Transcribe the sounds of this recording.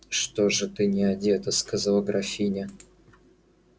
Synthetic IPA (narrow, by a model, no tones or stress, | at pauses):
ʂt̪oʐɨt̪ɨnʲɪɐdʲet̪əskazɐlˠəɡɾɐfʲinʲɪ